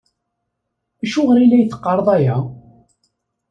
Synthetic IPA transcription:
æʃuʁəɾilːæjθə̥qːɑɾˤðˤæjæ

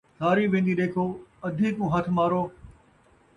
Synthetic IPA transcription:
sʰaːɾiːʋẽːnd̪iːɗeːkʰoːɐd̪ʱiːkũːɦət̪ʰmaːɾoː

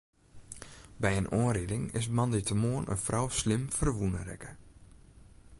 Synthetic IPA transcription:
bɛjənʔoənɾɪdɪŋɪ̰s̬mɑnditəmoənʔə̰nfrɔwslɪmfərʋunəɾɛ̰kə

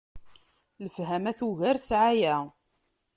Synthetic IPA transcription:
ləfɦæmæθuʝæɾsʕajæ

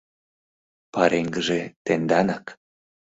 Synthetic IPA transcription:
pɑɾeŋɡəʒet̪end̪ɑnɑk

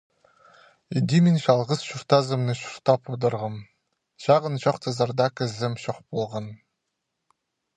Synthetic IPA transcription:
ed̪ʲimʲenʲɕɑlˠʁɤsɕurt̪ɑzɤ̆mnɨ̆ɕu̥rt̪ɑpʰod̪ɤ̆rʁɤm | ɕɑʁɤ̆nɕɑqt̪ʰɤzɑrd̪ɑkɘ̆zɘ̆mɕoχpolˠʁɑn

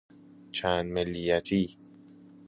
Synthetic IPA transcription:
t͡ʃʰæːnd̪melːijæt̪ʰiː

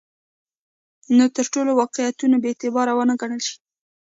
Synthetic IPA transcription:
not̪əɾʈolowɑqɪjat̪unabet̪ɪbɑɾawənəɡaɳəlʃi̥

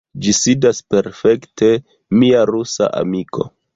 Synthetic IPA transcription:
d͡ʒisidaspe̞ɾfe̞ktʰe̞ | miaɾusa̰ʔa̰mikʰo̞̰

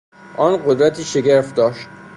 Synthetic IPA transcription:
ʔɒːnɢod̪ɾæt̪ʰiːʃe̞ɡeɾft̪̚d̪ɒːʃt̪

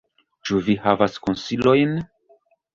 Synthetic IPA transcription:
t͡ʃuvihavaskonsilo̞jn

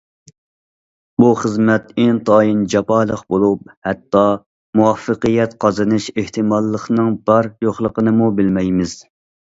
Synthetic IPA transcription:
buχəzmɛt̪ɪnt̪ʰɑːjind͡ʒɑpɑːlˠəqbolˠup̚hɛt̪ːɑ | muɑfːəqijɛt̪qʰɑzɨnɨʃeht̪ʰɨmɑlˠːəχnɨŋbɑɾjoχlˠəqənɨmubɪlmɛjmɪz̥

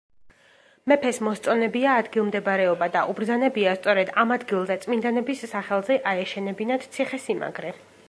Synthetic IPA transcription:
mɛpʰɛsmɔst̪sʼɔnɛbiaːd̪ɡilˠmd̪ɛbaɾɛɔbad̪aʔubɾd̪zanɛbiast̪sʼɔɾɛd̪amad̪ɡilˠzɛt̪sʼmind̪anɛbisːaχɛlˠzɛʔaɛʃɛnɛbinad̪̥t̪sʰiχɛsima̰ɡɾɛ

